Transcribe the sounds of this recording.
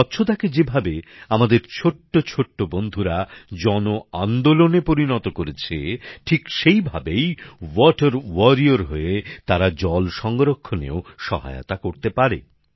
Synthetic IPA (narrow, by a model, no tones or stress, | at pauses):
ɔtːɕʰot̪aked͡ʑebʱabeamad̪eɾt͡ɕʰoʈːot͡ɕʰoʈːobond̪ʱuɾad͡ʑɔnoand̪olonepoɾinɔt̪okoɾet͡ɕʰeʈʰikʃejbʱabejwɔʈaɾwɔɾioɾɦoet̪aɾad͡ʑɔlʃɔŋɡoɾokʰːonḛoʃɔ̰ɦa̰jo̰t̪akoɾt̪epaɾḛ